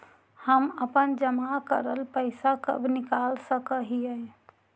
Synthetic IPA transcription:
həməpənd͡ʒəmakəɾəlpəɪsakə̰bʱnɪkalsəkəɦiəj

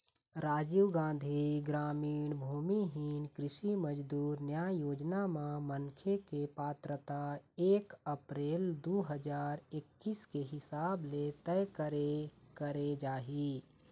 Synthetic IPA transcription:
ɾaːd͡ʒiːɡãːnd̪ʱiɡɾaːmiːɳbʱuːmiɦiːnkɾɪʃiməd͡ʒd̪uːɾnjaːjoːd͡ʒnamãmənkʰekepaːt̪ɾət̪aeːkəpɾeːld̪uːɦəd͡ʒaːɾɪkːiːskeɦɪsaːblet̪ɛjkəɾekəɾed͡ʒaːɦi

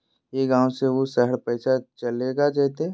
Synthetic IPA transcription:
jeɡãːwseʋosɛɦəɾpɛːsat͡ʃɐleːɡad͡ʒːt̪eː

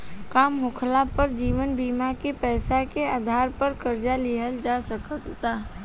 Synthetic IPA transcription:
kaːmɦʊkʰlapəɾd͡ʒiːʋənbiːmakepɛːsakeaːd̪ʱaːɾpəɾkəɾd͡ʒaliɦəld͡ʒaːsəkəkt̪aː

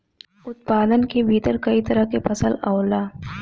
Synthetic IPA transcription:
ʊt̪̚paːd̪ənkebʱiːt̪əɾkɐit̪ɐɾəkepɐsəlɐːlaː

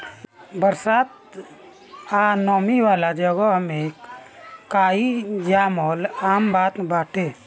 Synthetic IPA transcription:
bəɾsaːt̪ | anɔːmiʋalad͡ʒəɡəɦmekː | aid͡ʒamɔlaːmbaːt̪baːʈʰe

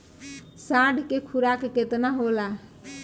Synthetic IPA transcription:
saɖʱkekʰuɾakeket̪naɦola

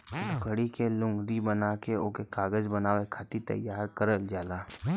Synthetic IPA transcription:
ɡəɽikelʊ̃ŋɡɾibənaːkeoːkekaːɡəd͡ʒbɐnaːwekʰaːt̪it̪ɐ̰jːaːɾkəɾəld͡ʒaːlaː

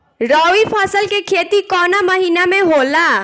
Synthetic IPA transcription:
ɾɔːʋipʰaːsəlkekʰeːt̪ikɔːnaməɦinamẽɦoːlaː

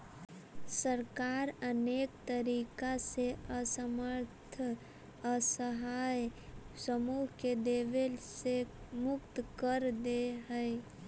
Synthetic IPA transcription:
səɾkaːɾəneːkt̪əɾiːkaseəsəməɾt̪ʰ | əsəɦaːjsəmuːɦked̪eːʋelsemʊkt̪kəɾd̪eɦəj

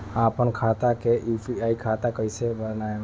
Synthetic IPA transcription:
ãpənkʰat̪akeʔifiaikʰat̪akəisebəna

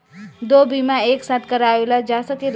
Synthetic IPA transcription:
d̪obimaeksat̪̚ʰkəɾaelad͡ʒasəkiɾ

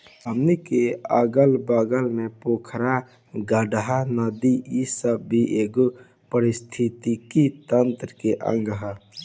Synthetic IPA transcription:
ɦəmnikeə̰ɡəlbəɡəlnepokʰɾa | ɡəɖɦanəd̪iisəbːiʔeɡo | pəɾist̪ʰit̪ikit̪ənt̪ɾəkeʔə̰̃ŋɡɦə

